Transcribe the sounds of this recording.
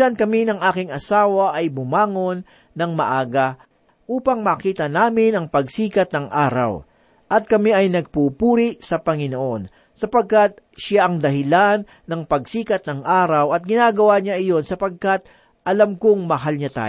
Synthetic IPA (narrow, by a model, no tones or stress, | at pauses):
ɐnkɐminɐŋʔaːkɪŋɐsaːwɐʔɐjbʊmaːŋo̞nː | ɐŋmɐʔaːɡɐ | ʔuːpɐŋmɐkiːt̪ɐnaːmɪnɐŋpɐɡsiːkɐt̪̚nɐŋʔaːɾɐ̰w | ʔɐt̪̚kɐmɛʔɐjnɐɡ̚pupuːɾɪʔsɐpɐŋɪnoʔo̞n | sɐpɐɡ̚kat̪̚ʃaʔɐŋd̪ɐɦɪlanːɐŋpɐɡsiːkɐt̪̚nɐŋʔaːɾɐwɐt̪̚ɡɪnaːɡɐwaɲaʔɪjo̞nsɐpɐɡ̚kat̪̚ | ʔɐlamkoŋmɐɦalɲat̪a̰ː